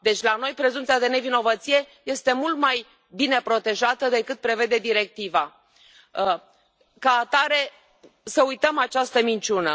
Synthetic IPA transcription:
d̪e̞t͡ʃʲlano̞jpɾe̞zumt̪siad̪e̞ne̞vino̞vət̪sije̞je̞st̪e̞mult̪maj | bine̞pɾo̞t̪e̞ʒat̪əd̪e̞kɨt̪̚pɾe̞ve̞d̪e̞d̪iɾe̞k̚t̪iva | kaːt̪aɾe̞ | səujt̪əmat͡ʃast̪əmint͡ʃunə

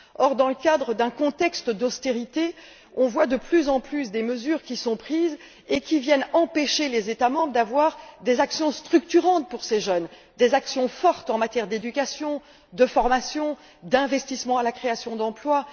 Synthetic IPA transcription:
ɔʁd̪ɑ̃ləkad̪ʁəd̪ɛ̃kɔ̃t̪ɛkst̪d̪ɔst̪eʁit̪e | ɔ̃vwad̪əplyzɑ̃plysd̪eməzyːʁkʲisɔ̃pχiːz | ekʲivjɛnɑ̃peʃelezet̪amɑ̃bʁəd̪avwaʁd̪ezaksjɔ̃st̪χykt̪yʁɑ̃t̪̚puʁseʒœn | d̪ezaksjɔ̃fɔʁt̪ɑ̃mat̪jɛʁd̪ed̪ykʲasjɔ̃ | d̪əfɔʁmasjɔ̃ | d̪ɛ̃vɛst̪ismɑ̃alakχeasjɔ̃d̪ɑ̃plwa

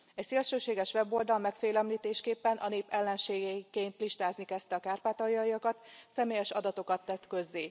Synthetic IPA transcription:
ɛcseːlʃøːʃeːɡɛʃʋɛbo̞ld̪ɒlmɛkfeːlɛmliːt̪eːʃkeːpːɛnʔɒneːpɛlːɛnʃeːɡɛikeːnt̪liʃt̪aːznikɛst̪ɛɒkaːrpaːt̪ɒjɒjɒkɒt̪sɛmeːjɛʃɒd̪ɒt̪o̞kɒt̪ːɛt̪kø̞zːeː

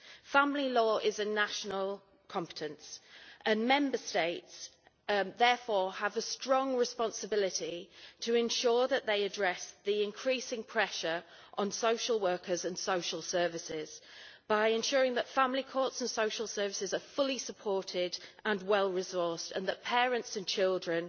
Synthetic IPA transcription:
fãmlilɔːʔɪzənaʃənəlˠ | kʰɒ̃mpɪ̥tʰə̃nsʔə̃nmɛ̃mbəsteɪts | ðɛːˑfɔːəvəstɹ̥ɒ̃ŋɹɪspɒ̃nsəbɪlɪtitʰəɪ̃nʃɔːðəʔðeɪədɹɛsðiɪ̃nkʰɹ̥iˑsɪ̃ŋpʰɹ̥ɛʃəɹ | ʔə̃nsoʊʃəlˠwɜˑ˞kəzə̃nsoʊʃəlˠsɜːvɪsɪz̥b̥aɪɪ̃nʃʊːɹɪ̃ŋðətfãmlikʰɔˑtsə̃nsoʊʃəlˠsɜːvɪsɪzəfʊlisəpʰɔˑtʰɪdə̃nwɛlˠɹɪzɔˑstə̰̃nðəʔpʰɛːɹə̃ntsə̃nt͡ʃʰɪlˠdɹə̃n

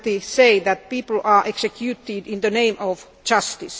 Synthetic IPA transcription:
t̪iseɪðæt̪̚piːpl̩ɑːʔeksekʰjut̪idĩnðənẽɪ̃mɔʋ | d͡ʒʌst̪is

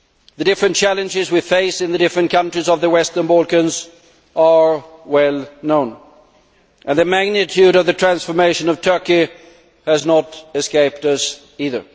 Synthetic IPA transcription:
ðɨdɪfɹɨ̃nt͡ʃʰælˠɨ̃nd͡ʒɪzwifeɪsɨ̃nðɨdɪfɹɨ̃nkʰʌ̃ntɹ̥izʌvðəwɛstə̃˞nbolˠkɨ̃nz | ə˞wɛlˠnõʊ̃n | ʔɨ̃nðɨmæɡ̚nɨtʰjʉɾʌvðɨtʰɹ̥æ̃nsfə˞meɪʃɨ̃nʌv̥tʰɜ˞ki | ɨznəɾɨskeɪp̚tʌs | iðə̰˞

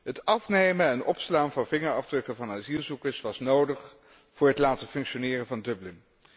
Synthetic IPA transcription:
ɦətɑfnejmənɛnɔpslaːnvɑnvɪŋəɹɑvdrɵkəvɑnaːzilˠzukəɹsʋɑsnowdəχ | v̥ʊːɹɦətlaːtəfɵŋkʃonɪːrənvɑndɵblɪm

